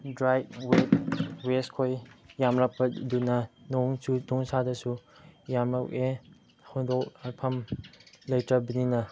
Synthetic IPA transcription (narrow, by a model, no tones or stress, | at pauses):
dɾajwet̚weskʰojjamɾak̚pɐdunɐnoŋsutɔŋsadɐsujamɾake | hɔndok̚apʰɐmlɐjtɾɐbininɐ